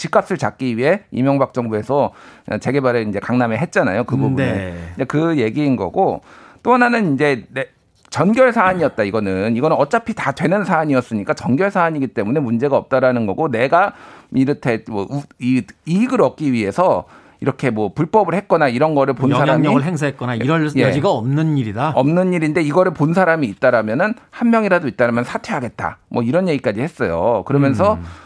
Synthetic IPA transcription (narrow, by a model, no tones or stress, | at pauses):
t͡ɕik͈as͈ɯɭt͡ɕak̚k͈iɥiɦe̞ḭmjʌŋbak̚t͡ɕ͈ʌŋbue̞sʰʌ̰t͡ɕe̞ɡe̞baɾeind͡ʑe̞kaŋnameɦe̞t̚t͡ɕ͈ana̰jokɯbubunɯnd͡ʑekɯje̞ɡiːnɡʌ̰ɡot͈oɦananɯnind͡ʑe̞ne | t͡ɕʌnɡjʌɭsʰaːɲiʌt̚t͈aiɡʌnɯniɡʌnɯnʌt͡ɕ͈apʰitadwe̞nɯnsʰaːɲiʌs͈ɯɲik͈at͡ɕʌnɡjʌɭsʰaːɲiɡit͈e̞mune̞mund͡ʑe̞ɡaʌp̚t͈aɾanɯnɡʌɡone̞ɡaiɾɯtʰe̞mwʌiiɡɯɾʌk̚k͈iɥie̞sʰʌ | iɾʌkʰe̞mwʌpuɭp͈ʌbɯɭhe̞t̚k͈ʌnaiɾʌnɡʌɾɯɭponsʰaɾamɲʌiɡɯɭɦeŋs̬ʰaɦet̚k͈ʌnaiɾʌjed͡ʑiɡaʌmnɯniɾidaʌmnɯɲːiɾinde̞iɡʌɾɯɭponsʰaɾamiːt̚t͈aɾamjʌnɯnhanmjʌŋiɾadoit͈̚aɾamjʌnsʰatʰwe̞ɦaɡe̞t̚t͈a̰mwʌiɾʌnje̞ɡik͈ad͡ʑihe̞s͈ʌjo̰kɯɾʌmjʌns̬ʰʌ